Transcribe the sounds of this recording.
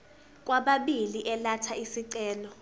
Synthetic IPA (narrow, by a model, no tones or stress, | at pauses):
k̬ʼwaɓaɓiliʔɛlatʰaisiǀɛːlɔ